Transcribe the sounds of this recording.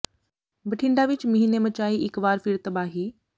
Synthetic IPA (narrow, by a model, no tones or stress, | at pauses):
bɐʈʰɪ̃ɳɖ̪aʋɪt͡ɕmɐɦinemɐt͡ɕaːiʔɪkʋaːɾfiɽt̪ɐbaːɦiː